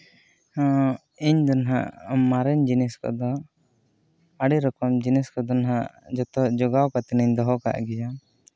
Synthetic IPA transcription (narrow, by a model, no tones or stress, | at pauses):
hɔ̃ | iɲd̪ɔnɦa̰mːaɾɛɲd͡ʒinɛskɔ̰d̪ɔ | aɽiɾɔkɔmd͡ʒinɛskɔd̪ɔnɦad͡ʒɔt̪ɔd͡ʒɔɡawkat̪ɛnɛɲd̪ɔɦɔka̰ʔɡɛd͡ʒa